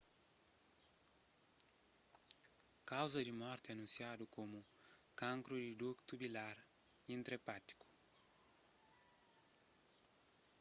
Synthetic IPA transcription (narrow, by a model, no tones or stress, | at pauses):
kawzɐd̪imɔɾt̪ɪɐnũnsjad̪ukomu | kãŋkɾud̪id̪ukt̪ubilaɾ | ĩnt̪ɾepat̪i̥ku̥